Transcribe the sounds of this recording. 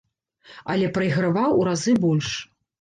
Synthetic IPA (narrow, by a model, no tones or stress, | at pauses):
ɐ̰lʲɛpɾɐiɣɾavawuɾazɨbɔlʲʂ